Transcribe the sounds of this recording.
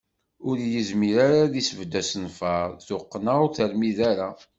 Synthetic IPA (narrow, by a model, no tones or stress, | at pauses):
ʊɾjəzmiɾaɾaðisəvd̪æsənfɑɾˤθʊqːnaθəɾmiðaɾa